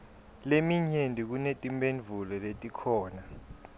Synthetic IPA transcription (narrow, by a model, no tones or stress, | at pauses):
lemiɲendʼʱik̬unetʼimbenvʱulɔletʼikʰɔːna